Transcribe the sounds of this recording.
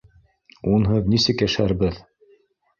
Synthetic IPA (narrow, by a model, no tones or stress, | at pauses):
unɦɤðnisɘkjæʃæɾbɘð